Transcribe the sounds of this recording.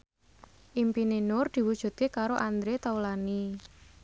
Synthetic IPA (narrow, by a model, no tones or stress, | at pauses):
ʔimpinenʊrd̪̥i̤wud̥ʒ̥ṳt̪̚kekaɾoʔand̪ɾet̪aulani